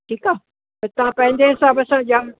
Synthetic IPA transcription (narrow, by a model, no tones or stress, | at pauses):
ʈʰiːkaː | ɐt̪ɐʋ̤ãpɐ̃ɦɪ̃ɲd͡ʑeɦɪsaːbɐsãʄaː